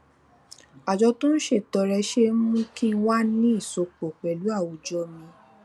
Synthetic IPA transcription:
a˨d͡ʒɔ˧tũ˦n̩˦ʃe˦˨tɔ˨˧ɾɛ˧ʃe˦mũ˦ki˦˧˦wa˦nĩ˦i˦˨so˧k͡po˨k͡pɛ˨lu˨˦a˦˨wo˨˦d͡ʒɔ˧˦mĩ˧

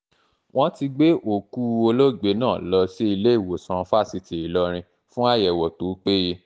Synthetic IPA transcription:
w̃ɔ̃˦ti˧ɡ͡be˦ʔo˨ku˦o˧lo˦˨ɡ͡be˨˦nãː˦˨lɔ˧se˦i˧le˦i˦˨wo˨sã˧fa˦˨si˧te˨i˨lɔ˧ɾ̃ĩ˧ | fũ˦a˦˨jɛ˨wɔ˨to˨˦k͡pe˦je˧

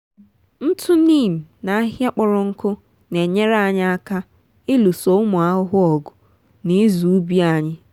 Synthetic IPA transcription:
n̩˦tʰʊ˦niː˦˨m̩˨na˨a˦ɦja˦k͡pɔ˦ɾɔ˦ŋ̩˦kʊ˦ | ne˨ɲe˦ɾa˦˨ɲɪ˦a˦ka˦ | ɪ˦lu˨so˦ʊ˦mʊ˨a˦ɦʊ˦ɦʊ˦ɔ˨ɡʊ˨ | ni˦zu˨u˦bi˦a˨ɲɪ˦

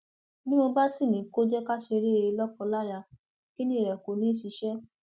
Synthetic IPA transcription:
nĩ˦mo˧ba˦si˦˨nĩ˨˦ko˦d͡ʒɛ˦ka˦ʃe˧ɾe˦e˧lɔ˦kɔ˧la˦ja˧ | ki˦nĩ˦˨ɾɛ˨ko˨˦nĩ˦ʃi˧˦ʃɛ˦

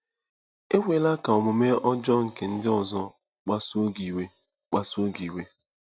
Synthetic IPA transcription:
e˦wʷe˨la˦ka˨ɔ˨mʊ˨me˦ɔ˦d͡ʒɔ˦ŋ̩˨ke˨n̩˦dɪ˦ɔ˨zɔ˦ | k͡pa˦so˦ɡi˨we˦ | k͡pa˦so˦ɡi˨we˦

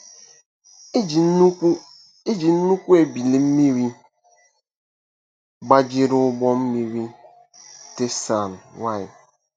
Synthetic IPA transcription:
e˦d͡ʒi˨n̩˦nu˦kʷu˦e˨bi˨le˨m̩˦mi˦ɾi˦ | ɡ͡ba˦d͡ʒɪ˦ɾʊ˦ʊ˦bɔ˦m̩˦mi˦ɾi˦ | te˦sa˨n˨wa˦˨ɪ˨

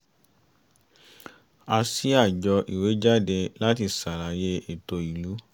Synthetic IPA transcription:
a˧si˦a˦˨d͡ʒɔ˧ʔḭ˨we˨˦d͡ʒa˦˨de˧la˦ti˧sa˨la˨je˧˦e˨to˧i˨lu˨˦

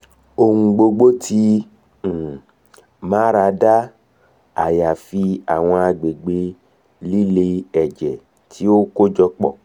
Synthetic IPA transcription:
o˧hũ˧ɡ͡bo˧ɡ͡bo˦tʰĩ˧˦˨ | mãː˨˦ɾa˧da˦ | a˨ja˨fi˧a˨w̃ɔ̃˧a˧ɡ͡be˨ɡ͡be˧ | li˦le˧ɛ˨d͡ʒɛ˨ | tʰi˨˦o˦ko˦d͡ʒɔ˧k͡pɔ̰˦˨

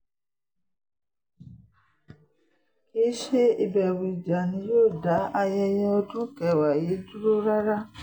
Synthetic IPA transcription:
i˦ʃe˦i˧bɛ˨wi˨d͡ʒa˨nĩ˨˦joː˦˨da˨˦ʔa˧jɛ˧jɛ˧ɔ˧dũ˦kɛ˨wa˨je˨˦du˦ɾo˦ɾa˦ɾa˦

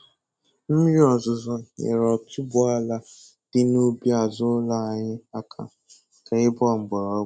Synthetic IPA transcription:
m̩˦ɾi˦ɔ˨zʊ˨zɔ˨ɲḛ˨ɾɔ˨tʊ˦bʊ˦a˦la˦ | d̥ɪ˦no˦bi˦a˨zʊ˦la˦a˨ɲɪ˦a˦kʰa̰˨ | kʰa˨ɪ˦bɔ˦˨ŋ͡m̩˨ɡ͡bɔ˨ɾɔ˦

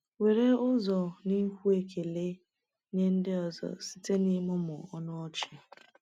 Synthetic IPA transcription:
we˨ɾe˦ʊ˦zɔ˨ni˦kʷu˦e˨ke˨le˦ | ɲe˦n̩˦dɪ˦ɔ˨zɔ̰˨si̥˦te˦ni˦mʊ˦mʊ˨ɔ˦nɔ˦ɔ˦t͡ʃɪ˨

